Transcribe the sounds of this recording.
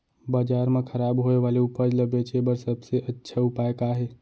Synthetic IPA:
bəd͡ʒaɾmekʰəɾabɦoeʋaleupəd͡ʒləbet͡ʃʰebəɾsəbseʔətːʃʰaupaekaɦe

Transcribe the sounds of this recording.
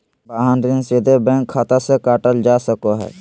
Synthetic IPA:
baːɦanɾɪnsid̪ʱebɛ̃ːŋkʰːat̪asekaːʈəld͡ʒaːsəkoɦɛ̰ː

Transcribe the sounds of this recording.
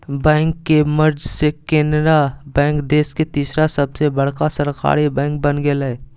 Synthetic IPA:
bɛ̃ːŋkːeməɾd͡ʒsekẽːnɾabɛ̃ːŋkd̪eːsket̪iːsɾasəbsebəɽ̤kasəɾka̰ːɾibɛ̃ːŋk̚bənɡelɛ

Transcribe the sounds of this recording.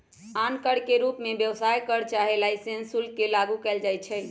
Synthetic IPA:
ankəɽkeɾupmebjəwsajkəɾt͡ʃaɦelajsensulkelaɡukɛld͡ʒajt͡ʃʰɛj

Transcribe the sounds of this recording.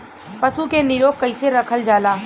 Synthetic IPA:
pəsukenɪɾoːkkːəɪseɾəkʰəld͡ʒaːlaː

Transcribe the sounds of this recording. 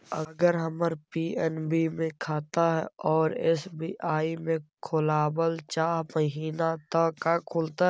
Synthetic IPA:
əɡəɾɦəməɾpiːɛnbimẽkʰaːt̪aɦɛ̰ɔːɾɛɪ̰sbiʔaːimẽkʰʊlaːbəlt͡ʃaːɦməɦiːnat̪akakʰʊlt̪a

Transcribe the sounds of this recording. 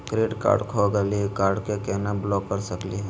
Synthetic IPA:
kɾeːɖka̰ːɾɖkʰoɡɛlikaːɾɖkekɛːnablɔːkːəɾsəkliɦɛ

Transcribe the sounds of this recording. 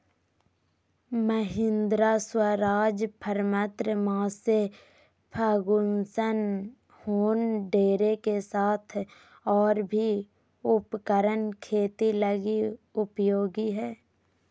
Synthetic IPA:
məɦɪ̃nd̪ɾaswəɾaːd͡ʒpʰəɾmət̪ɾəmãːse | pʰəɡʊnsən | hoːnɖeːɾekesaːt̪ʰ | ɔːɾbʱi | ʊpkəɾənkʰeːt̪iləɡiʊpjoːɡiɦɛː

